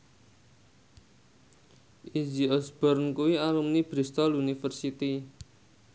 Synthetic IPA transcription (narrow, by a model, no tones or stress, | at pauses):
ʔid͡ʒiɔsb̥ərnkuwialumnib̥ɾist̪ɔlunifərsit̪i